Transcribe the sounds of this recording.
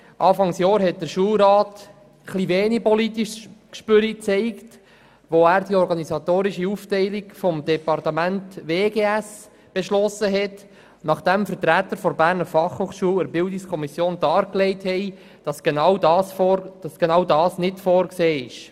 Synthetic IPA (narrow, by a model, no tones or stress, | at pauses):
ʔɑːfɑŋsjɔːɾɦɛt̚d̥̪əɾʃuːlɾɑːt | χliveːnipɔlitiʃkʃpʏɾit͡sɛɪkt | ʋoæːɾd̥iɔɾɡɑnisɑt̪oːɾiʃiuftɛɪlikfɔmdɛpɑrtəmæntʋeːɡeːæs | b̥eʃlɔsːəɦɛt | nɑχd̥ɛmfəɾtɾæt̪ːəɾfɔɾbæːɾnəɾfɑχhoːχʃuːləɾbɪldɪkskʰɔmisjoːndɑːɾklɛɪthɛɪ | d̥ɑsɡ̥enɑwdɑsfd̥ɑsɡ̥enɑwdɑːsnɪtfɔːɾkseːɪʃ